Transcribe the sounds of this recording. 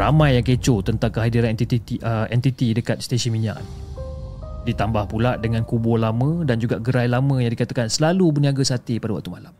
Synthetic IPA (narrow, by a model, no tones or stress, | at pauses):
ramãjːaŋket͡ʃot̪ənt̪aŋkəɦadiɾanɛt̪it̪iiəɛnt̪it̪idəkat̪̚st̪esənmiɲã̰ʔ̚ | dit̪ambahpulaʔdəŋãnkubɔlamə̃dand͡ʒuɡaʔɡəɾajlamə̃jaŋdikat̪akansəlalubəniaɡasat̪ipadawak̚t̪umalam